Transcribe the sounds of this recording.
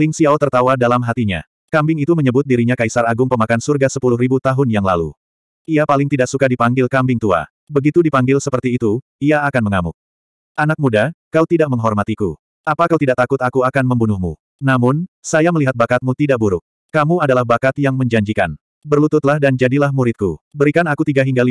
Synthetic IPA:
lɪŋsiaot̪ərt̪awadalamɦat̪iɲa̰ | kambɪŋit̪uməɲəbʊt̪̚diɾiɲakaisaraɡʊŋpəmakansurɡasəpulʊhribut̪aɦʊnjaŋla̰lṵ | iapalɪŋt̪idaʔ̚sukadipaŋɡɪlkambɪŋt̪ua̰ | bəɡit̪udipaŋɡɪlsəpərt̪iːt̪u | iaːkanməŋamʊ̰k̚ | ʔanak̚mudakaut̪idaʔ̚məŋɦɔrmat̪ikṵ | apakawt̪idaʔt̪akʊt̪akuakanməmbunʊhmṵ | namʊnsajaməliɦat̪̚bakat̪̚mut̪idaʔ̚buɾʊk̚ | kamuadalahbakat̪jaŋməɲd͡ʒaɲd͡ʒika̰n | bərlut̪ʊt̪̚lahdand͡ʒadilahmuɾɪt̪̚kubəɾikanakut̪iɡaɦiŋɡali

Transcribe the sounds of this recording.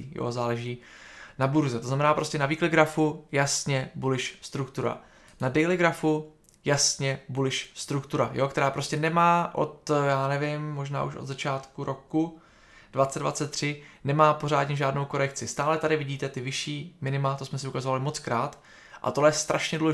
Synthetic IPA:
jo̰zaːlɛʒiːnabuɾzɛt̪oznamɛnaːpɾo̞scɛnaviːklɪɡɾafujasɲɛbulɪʃst̪ɾukt̪uɾa̰ | nadɛjlɪɡɾafu | jasɲɛbulɪʃst̪ɾukt̪uɾajo̞kt̪ɛɾaːpɾo̞scɛnɛmaːʔo̞̰t̪jaːnɛvɪmːo̞ʒna̰ːʔṵʃʔo̰d̪zat͡ʃaːt̪kuɾʔo̞ku | d̥vat͡sɛddva̰t͡sɛt̪ːr̝̥ɪnɛmaːpo̞ɾ̝aːdɲɛʒaːdno̞wko̞ɾɛkt͡sɪst̪aːlɛt̪adɪvɪɟiːt̪ɛt̪ɪvɪʃiːmɪnɪmat̪osmɛsɪukazovalɪmo̞t͡skɾaːt̪ | ʔa̰t̪oɦlɛjɛst̪ɾʔaʃɲɛduːlɛ

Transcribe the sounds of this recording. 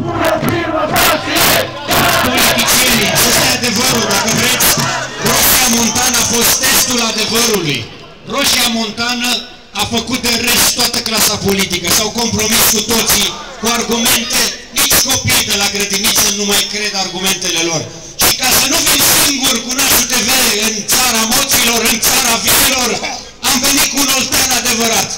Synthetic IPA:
po̞lit̪it͡ʃjeniafost̪ead̪e̞vəɾuld̪akəvɾe̞d̪sʲro̞ʃiamo̞nt̪anəafo̞st̪ːe̞st̪ulad̪e̞vəɾuluj | ro̞ʃiamo̞nt̪anə | afəkut̪̚d̪e̞ɾe̞st̪t̪oat̪əklasapolit̪ikəʃiawko̞mpɾo̞miskut̪o̞t̪sikuarɡume̞nt̪e̞nit͡ʃʲko̞pijd̪e̞laɡɾed̪init̪sənumajkɾe̞d̪arɡume̞nt̪e̞le̞lo̞r | ʃikasənufimsiŋɡurkunaʃut̪e̞veleɨnt̪saɾamo̞t̪silo̞ɾɨnt̪saɾavililo̞r | ampinit̪̚kuːno̞lt̪anad̪e̞vəɾat̪

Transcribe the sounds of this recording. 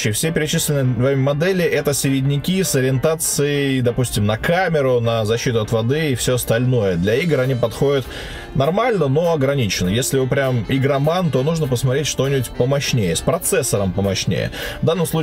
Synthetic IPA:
ɪjfsʲepʲɪɾʲɪt͡ɕislʲɪnɨjvɐvɾemʲəmɐd̪ɛlʲɪʔɛt̪əsʲɪɾʲɪdʲnʲɪkʲisəɾʲɪɪnt̪at̪sɨɪjd̪ɐpusʲtʲɪmnɐkamʲɪɾʊnəzɐɕːit̪ʊɐt̪vɐd̪ɨːfsʲoɐst̪ɐlʲno̞jəd̪lʲɐiɡrɐnʲipɐt̪xo̞dʲɪt̪ | nɐrmalʲnəno̞ɐɡɾɐnʲit͡ɕɪnːəjesʲlʲɪopɾʲamɪɡɾɐmant̪o̞nuʐnəpəsmɐt̪ɾʲetʲʂt̪o̞nʲɪbʊtʲpəmɐɕnʲejəspɾɐt̪sɛsːəɾəmpəmɐɕnʲḛjə̰vd̪anːəmslˠu

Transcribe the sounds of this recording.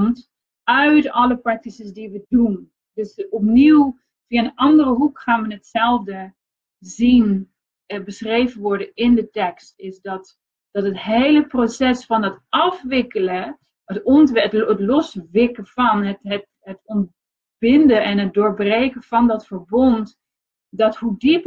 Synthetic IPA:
nt | œɥtɑləprɑk̚tisəsdiʋədun | dɵsɔp̚niw | fiaənʔɑndərəɦukχaːnʋənɦətsɛlˠvdə | zin | bəsχrejvənʋɔɹdənɪndətɛkstɪsdɑt | d̥ɔtətɦejləprosɛsfɔndɑtɑfʋɪkələ | ətɔnttətlɔsʋɪkəfɑnətət | ətɔnt̚ | bɪndəɛnɦət̚doːɹbreːkəvɑndɔtfəɹbɔnt | dɑthudip

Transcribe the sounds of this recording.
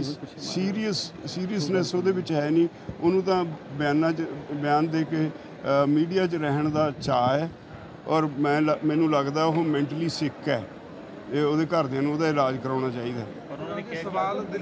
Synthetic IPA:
siːɾiəsːiːɾijəsnɛsoːd̪eːbʋɪt͡ʃɦɛːniː | oːnũːt̪ãːbjaːnːaːt͡ʃbɪjaːnd̪eːkeː | miːɖijaːt͡ʃɾɛːɦɳd̪aːt͡ʃaːɛː | ɔːɾmɛ̃ːlmɛ̃ːnũːləɡd̪aːʊɦoːmɛ̃ːɳʈəliːsɪkːɛː | oːd̪eːkəɾd̪eaːnũːd̪aːɪlaːd͡ʒkəɾãːɽ̃aːt͡ʃaːiːd̪aː

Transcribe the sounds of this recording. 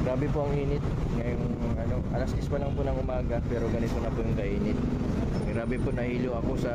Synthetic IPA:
ɡaːbɪpoʔɐŋʔiːnɪt̪̚ | ŋɐjoŋ | ʔɐno̞ʔɐlɐsɛspɐlɐŋpʊnɐŋʊmaːɡɐpɛːɾo̞ɡɐnɪt̪onɐpʊjʊŋkɐʔiːnɪt̪̚ | ɾaːbɪponɐhiːloʔɐko̞sɐ

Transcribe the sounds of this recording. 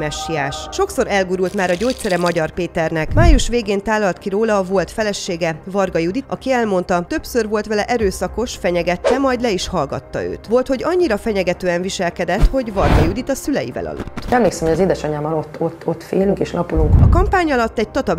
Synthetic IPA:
mɛʃːiaːʃʃo̞kso̞ɾɛlɡuɾult̪maːɾɒɟoːt̪sɛɾɛmɒɟɒrpeːt̪ɛrnɛkmaːjuʃʋeːɡeːnt̪aːlːɒlt̪kiɾoːlɒvo̞lt̪fɛlɛʃːeːɡɛvɒrɡɒjud̪it̪ɒ̰kiɛlmo̞n̪t̪ɒt̪øpsørvo̞lt̪ʋɛlɛʔɛɾøːsɒko̞ʃfɛɲɛɡɛt̪ːɛmɒjd̪lɛiʃhɒlɡɒ̰t̪ːɒ̰ø̰ːt̪ʋo̞lt̪ho̞ɟɒɲːiɾɒfɛɲɛɡɛt̪øːɛɱviʃɛlkɛd̪ɛt̪ho̞ɟvɒrɡɒjud̪it̪ɒsylɛjḭvɛ̰lɒ̰lʔo̰t̪ːɛmleːksɛmhoɒzeːd̪ɛʃɒɲaːmːɒlo̞t̪ːo̞t̪ːot̪ːfḛːlyŋkeːʃlʔɒpuluŋkɒkɒmpaːɲɒlɒt̪ːɛɟ̚t̪ɒt̪ɒb

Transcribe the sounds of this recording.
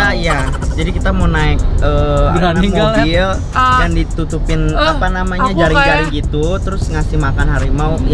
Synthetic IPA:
ajad͡ʒadikit̪amaunaɪk̚əːanambil | jandit̪ut̪upɪnapanamaɲad͡ʒaɾɪd͡ʒaɾiŋɡit̪ut̪əɾʊsŋasɪhmakanɦaɾimau

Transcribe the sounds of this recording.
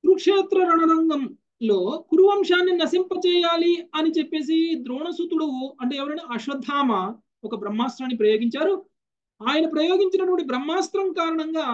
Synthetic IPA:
t̪ɾukʂɛːt̪ɾɐɾɐɳɐnɐŋɡɐm | lo̞ːkuɾuʋɐmʂaːnːinɐsimpɐt͡ʃɛːjaːliɐnit͡ʃepːe̞ːs̬id̪ɾɔːɳɐsut̪uɽɐwuɐɳʈeːɛʋɐɾɐjnaɐʃɐd̪ʱːaːmɐ | ɔkɐbɾɐmːaːst̪ɾaːnːipɾɐjo̞ːɡiɲt͡ʃaːɾu | aːjɐnɐpɾɐjoːɡiɲt͡ʃinɐʈʋɐɳʈibɾɐmːaːst̪ɾɐmkaːɾɐɳɐŋɡaː

